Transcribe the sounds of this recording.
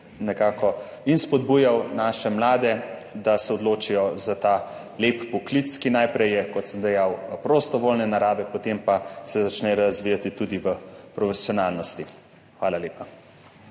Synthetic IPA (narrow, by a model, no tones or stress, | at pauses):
nɛkaːkɔ | inspɔd̪buːjawnaːʃɛmlaːd̪ɛd̪asɛɔd̪loːt͡ʃijɔzat̪aː | leppɔklit̪skinajpɾɛjɛkɔt̪səmd̪ɛjawpɾost̪ɔʋoːlnɛnaɾaːbɛpɔt̪empasɛzat͡ʃnɛɾazʋiːjat̪it̪ud̪iʋəpɾɔfɛsjɔnaːlnɔst̪i | xʋaːlaleːpa